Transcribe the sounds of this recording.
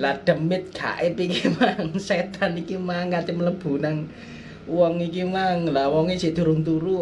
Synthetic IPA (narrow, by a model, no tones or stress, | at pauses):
lad̪̥ə̤mɪt̪̚ɡ̥a̰ʔepikimaŋset̪anikimaŋkat̪imələb̥ṳnaŋ | wɔŋikimaŋlawɔŋesiʔd̪̥ṳɾʊŋt̪uɾu